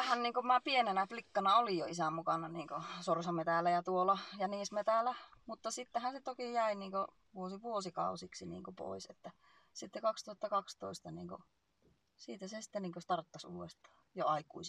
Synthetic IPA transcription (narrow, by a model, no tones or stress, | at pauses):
ʋæhænniːŋkomæːpienenæflikːɑnɑolijoisæmukɑnɑniːŋkosorsɑmet̪ælːæjɑt̪uolɑjɑniːsmet̪ælːˑæmut̪ːɑsit̪ːæhænset̪okijæiniːŋko | ʋuosiʋuosikɑ̰ˑusiksinḭːŋkopo̰ˑiset̪ːæ | sit̪ːekɑkst̪uhɑt̪ːɑkɑkst̪oˑist̪ɑniːŋko̰ | siːt̪æsesi̥t̪ːeniːŋkost̪ɑrt̪ːɑsṵːwest̪ɑ̥ː | joɑikṵis